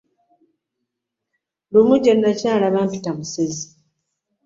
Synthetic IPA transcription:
lumuɟenːacaːlaβaːmpitamusezi

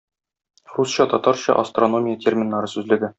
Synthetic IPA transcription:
rusɕɑt̪ɒt̪ɑɾɕɑ̰ʔɐ̰st̪ro̞no̞mʲijətʲʰermʲɪnːɑɾɤsʉzlɘ̆ɡɘ

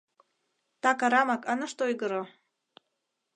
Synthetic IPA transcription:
t̪ɑkɑɾɑmɑkɑnɤ̆ʃt̪ojɡɤɾo

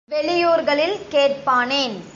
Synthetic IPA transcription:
ʋɛɭɪjuːɾɣɐɭɪlkeːrpaːneːn

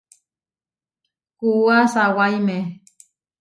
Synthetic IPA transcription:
kuuasawaime

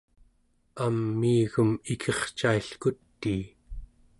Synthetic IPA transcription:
amːiːɣumikʰeχt͡ʃaiɬkut̪ːiː

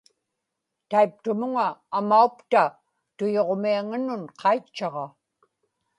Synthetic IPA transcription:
t̪aip̚t̪ʊmʊŋaːmaukt̪a | t̪ʊjo̞ʁmiaŋanʊnqʰɑjt͡ʃːɑʁɑ

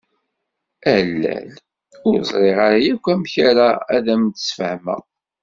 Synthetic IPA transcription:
ælːæ̰l | ʊɾzˤɾˤeʁaɾajækʷːæmçaɾaæ̰ðæmt̪ə̥sfəhmæ̰

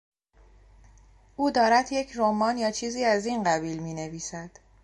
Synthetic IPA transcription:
ʔuːd̪ɒːɾæd̪je̞cʰɾomɒːnjɒːt͡ʃʰiːziːæzinɢæbiːlmiːne̞viːsæd̪̥

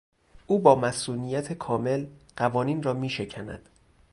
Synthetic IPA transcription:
ʔuːbɒːmæsuːnijæt̪ʰekʰɒːme̞lɢ̥ævɒːniːnrɒːmiːʃe̞cʰænæ̰d̪̥

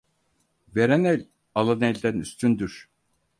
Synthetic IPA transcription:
veɾɛnɛlʲ | alˠanɛlʲd̪ænyst̪ʰynd̪yɾ̥

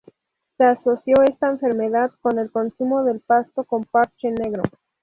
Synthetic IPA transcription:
se̞aso̞sjo̞e̞st̪aeɱfe̞ɾme̞ðaðko̞ne̞lko̞nsumo̞ðe̞lpast̪oko̞mpaɾt͡ʃene̞ɣɾo

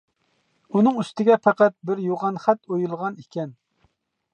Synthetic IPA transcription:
unɨŋyst̪ɪɡʲɛpʰæqæt̪̚bɪɾjoʁɑnχæt̪ojulˠʁɑnikʲɛn

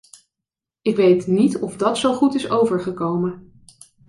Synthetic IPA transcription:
ɪkʋejtnitɔfdɑtsowχutɪsowvəɹχəkowmə

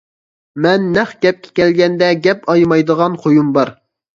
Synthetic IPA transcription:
mɛnːɛχɡʲɛp̚kʲʰɛ̥kʲʰɛlɡʲɛnd̪ɛɡʲɛpɑjmɑjd̪əʁɑnqʰojumbɑɾ

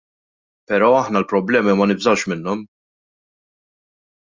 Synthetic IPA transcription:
pɛɾɔːɐħnɐlpɾɔblɛːmimɐnɪbzɐwʃmɪnːɔm

